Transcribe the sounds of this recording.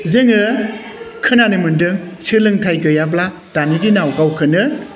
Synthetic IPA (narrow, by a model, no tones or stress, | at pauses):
zeŋɯ | kʰɯnanɯmɯndɯŋsɯlɯŋtʰajɡɯjabla | d̥anidinawɡawkʰɯnɯ